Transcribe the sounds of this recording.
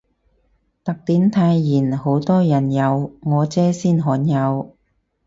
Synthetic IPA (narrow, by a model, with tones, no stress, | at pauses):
t̪ɐ˨k̚t̪iː˨˥nt̪ʰaː˧jːiː˨˩nho˨˥wt̪ɔː˥jɐ˨˩njɐ˨˧wŋɔː˨˧t͡sɛː˨˥siː˥˩nɦɔː˨˥njɐ˨˧w